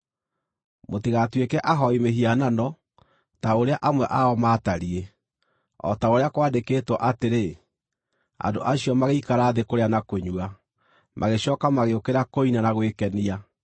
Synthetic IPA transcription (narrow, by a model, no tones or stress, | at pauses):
motiɣatwekɛʔaɦɔimeɦiananɔ | taoɾeaʔamwɛʔaɔmaːtaɾie | ɔ̰taoɾeakwaːndekeːtwɔʔateɾe | a̰ndo̰ʔaɕiɔmaɣeikaɾaːðekoɾeanakoɲua | mʔaɣeɕɔːkamaɣeokeɾakoinanaɣwekɛnia